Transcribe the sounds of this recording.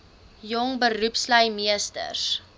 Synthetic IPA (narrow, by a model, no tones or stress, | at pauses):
jɔŋbəɾupsləjmiəstə̰rs